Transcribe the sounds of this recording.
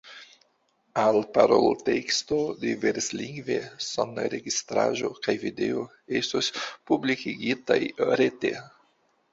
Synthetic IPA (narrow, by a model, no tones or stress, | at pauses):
alpaɾolte̞kstodiveɾsliŋɡvesonaɾe̞ɡistɾa̰ʒokajvide̞o | estospublikiɡitajɾete